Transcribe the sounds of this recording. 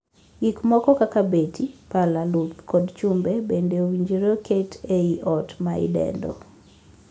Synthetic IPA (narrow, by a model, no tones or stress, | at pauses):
ɡikmɔkɔkakabetʰipalalut̪kɔdt͡ʃumbebendewiɲd͡ʒiɾokʰetʰeiʔɔtmaḭdɛ̰ndɔ̰